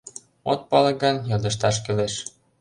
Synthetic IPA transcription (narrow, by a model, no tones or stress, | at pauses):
ot̪̚pɑlɤ̆ɡɑnjɑld̪ɤ̆ʃ̬t̪ɑʃ̬keleʃ